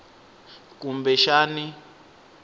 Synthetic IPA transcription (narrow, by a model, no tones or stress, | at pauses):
k̬ʼumbɛʃaːni